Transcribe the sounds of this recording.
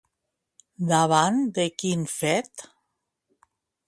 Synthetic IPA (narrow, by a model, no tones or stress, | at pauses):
d̪aβand̪ekinfɛt̪